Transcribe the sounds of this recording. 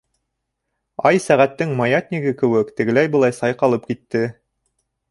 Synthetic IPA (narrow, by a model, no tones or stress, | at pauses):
ɑjsæʁæt̪ːɘŋmɑjɑt̪ʲnʲiɡɘkɘ̆wɘkt̪ɘ̆ɡɘ̆læjbɤ̆lˠɑjsɑjqɑlˠɤp̚kit̪ːɘ